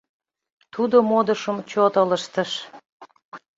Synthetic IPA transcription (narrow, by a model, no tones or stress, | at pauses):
t̪ud̪omod̪əʃəmt͡ɕot̪ələʃt̪ə̆ʃ